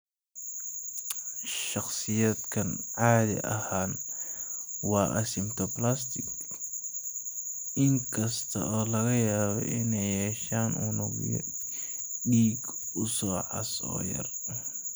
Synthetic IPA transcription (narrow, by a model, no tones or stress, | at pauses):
ʃɑχsɪjɐd̪kʰɐnʕaːðɪ̰ʔɐ̰haːn | wɑːʔɐsɪmt̪ʰɔplast̪ʰɪɡ | ʔɪŋkʰɐst̪ʰɐ̰ʔɔːlɐɣɐjaːβɔ̰ʔɪnɛjhɛːʃaːnʔuːnɔɣ̰jɔ̰ | ɖiːɡ | ʊsɔːʕɑ̰sɔ̰ːjɐ̰r